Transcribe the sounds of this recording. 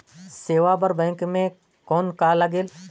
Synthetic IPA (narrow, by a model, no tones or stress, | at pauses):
seːʋaːbəɾbɛ̃ːŋkmẽ | koːnkaːləɡeːl